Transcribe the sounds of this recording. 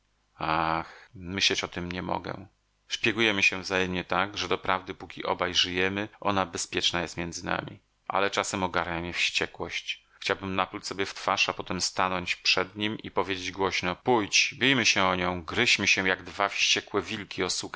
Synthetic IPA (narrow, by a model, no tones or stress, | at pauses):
axmɘɕlɛt͡ɕɔt̪ɘmɲɛmɔ̰ɡɛ̰ | ʂpʲjɛɡujɛmɘɕɛvzajɛmɲɛt̪aɡʐɛd̪ɔpɾavd̪ɘpukʲiʔɔ̰bajʐɘjɛmɘʔɔ̰nabɛspʲjɛt͡ʂnajɛst̪mʲjɛnd̪zɘna̰mʲḭ | ʔa̰lɛt͡ʂasɛmɔɡaɾɲamjɛfɕt͡ɕɛkwɔɕt͡ɕ | xt͡ɕawbɘmnaplut͡ɕʲsɔbʲjɛft̪faʂapɔt̪ɛmst̪anɔɲt͡ɕpʂɛd̪ɲimipɔvʲjed͡ʑed͡ʑɡwɔɕnɔpujt͡ɕbʲijmɘɕɛɔɲɔ̃w̃ɡɾɘɕmɘɕɛjaɡd̪vafɕt͡ɕɛkwɛvʲilkʲiɔsuk